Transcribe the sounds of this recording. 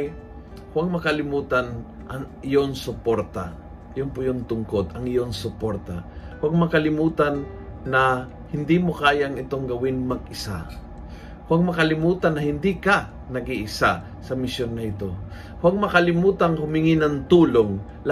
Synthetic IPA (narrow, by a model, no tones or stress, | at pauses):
hwaɡ̚mɐkɐlɪmuːt̪anʔɐŋɪjoŋsʊpoɾt̪a | joŋpʊjont̪ʊŋkod̪ɐŋɪjoŋsʊpoɾt̪a̰hwaɡ̚mɐkɐlɪmuːt̪anː | ɐ | hɪnd̪imokaːjaŋɪt̪o̞ŋɡɐwɪnmɐɡ̚ɪsa | hwaɡ̚mɐkɐlɪmuːt̪ɐnːɐhɪnd̪ika | nɐɡiʔɪsa | sɐmɪsjonːɐʔɪt̪o̞ | hwaɡ̚mɐkɐlɪmuːt̪ɐŋhʊmɪŋɪnɐŋt̪uːloŋ | l